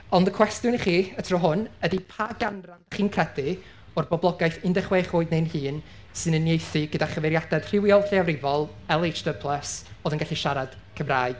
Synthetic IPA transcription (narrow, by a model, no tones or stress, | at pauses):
ɔndəkʰw̥ɛstjʊniχiːətʰrɔɦʊnədipʰaɡanrandəχiːnkʰrɛdɪ | ɔrbɔblˠɔɡajθɨndɛχwejχoːɨdnejnhɨːn | sɨnənːjejθɨɡədaχəvɛɾjadɛd̥r̥ɪwjɔlˠɬɪavɾɪvɔlˠɛlˠejd͡ʒdəpʰlˠəsoːðənɡaɬiʃaɾad̥ | kʰəmraːɨd̥